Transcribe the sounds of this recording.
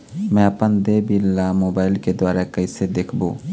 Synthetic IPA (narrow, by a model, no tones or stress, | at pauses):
mɛ̃ːɐpənd̪ebilːamoːbaːɪlked̪waːɾakɐɪsed̪eːkʰbõː